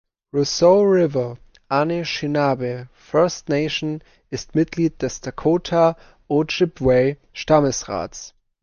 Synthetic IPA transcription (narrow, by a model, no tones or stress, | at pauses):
ʁusoʊʁɪvɐ | ʔaneʃɪnabefɜɐstneɪʃon | ɪstmɪt̚ɡ̥liːt̚d̥ɛstakʰotʰa | oʃɪpwɛɪ | ʃtaməsʁa̰ːts